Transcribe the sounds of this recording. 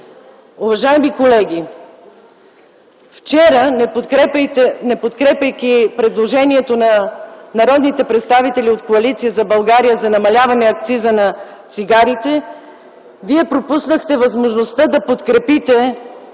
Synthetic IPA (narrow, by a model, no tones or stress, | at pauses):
uvɐʒaɛmikolɛɡ̟ʲi | ft͡ʃɛɾəɛɛpt̪ɛnɛpot̪kɾɛpʲəjkʲipɾɛd̪lˠoʒɛniɛt̪onɐnɐɾɔd̪nit̪ɛpɾɛt̪st̪avit̪ɛliot̪koɐlit̪sijəzɐbɐlˠɡaɾijəzɐnɐmɐlʲavɐnɛɐk̚t̪sizənɐ | t̪siɡaɾit̪ɛ | viɛpɾopusnəxt̪ɛvɐzmoʒnost̪əd̪ɐpot̪kɾɛpit̪ɛ